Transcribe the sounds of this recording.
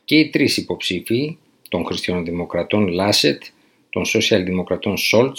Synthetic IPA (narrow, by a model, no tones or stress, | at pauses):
ce̞it̪ɾisipo̞psifi | t̪o̞ŋxɾist̪çɐnðimo̞kɾɐt̪o̞nlɐset̪ | t̪o̞nso̞siɐlðimo̞kɾɐt̪o̞nsol